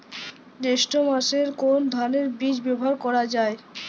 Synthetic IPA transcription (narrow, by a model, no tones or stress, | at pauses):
deʃʈomaʃeɾkond̪ʱaneɾbid͡ʑbɛbʱaɾkɔɾad͡ʑae